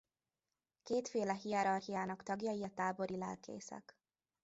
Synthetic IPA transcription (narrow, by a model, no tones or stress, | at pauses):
keːt̪feːlɛɦiɛɾɒrhijaːnɒkt̪ɒɡjɒjiɒt̪aːbo̞ɾilɛ̰lkḛːsɛ̰k